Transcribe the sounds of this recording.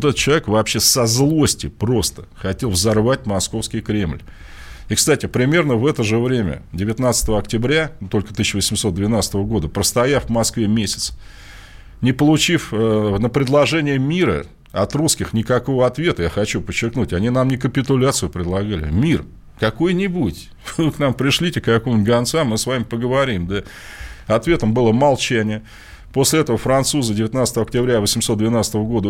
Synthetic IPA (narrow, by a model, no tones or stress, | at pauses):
t̪ɛt̪ət͡ɕːɪlˠɐekvɐːpɕːesɐzlˠo̞sʲtʲɪpɾo̞st̪ə̥xɐtʲe̞lˠvzɐrvat̚ʲmɐsko̞fskʲɪjkɾʲe̞mlʲ | ɪkst̪atʲɪpɾʲɪmʲe̞rnəvɛt̪əʐɨvɾʲemʲə̰dʲɪvʲɪt̪nat̪sə̥t̪əvəɐktʲɪbɾʲat̪o̞lʲkə̥t̪ɨiɕːɪvəsʲɪmso̞t̪̚d̪vʲɪnat̪sə̥t̪əvəɡo̞d̪əpɾəst̪ɐjafvmɐskvʲe̞mʲesʲɪ̥t̪s | nʲɪpəlˠʊt͡ɕifənəpɾʲɪd̪lˠɐʐɛnʲɪjəmʲiɾə̰ | ɐt̪ruskʲɪxnʲɪkɐko̞vəɐt̪vʲe̞t̪əjaxɐt͡ɕupət͡ɕːɪrknutʲɐnʲinamnʲɪkəpʲɪt̪ʊlʲat̪sɨʊpɾʲɪd̪lˠɐɡalʲɪ̰mʲir | kɐkojnʲɪbutʲ | vɨknampɾʲɪʂlʲitʲɪkɐkomʊɡɐnt̪samːɨsvamʲɪpəɡəvɐɾʲimd̪a | ɐt̪vʲet̪əmbɨlˠəmɐlˠt͡ɕænʲɪjə | po̞sʲlʲɪɛt̪əvəfɾɐnt̪suzɨdʲɪvʲɪt̪nat̪st̪əvəɐktʲɪbɾʲavəsʲɪmso̞t̪d̪vʲɪnat̪sət̪əvəɡo̞d̪ə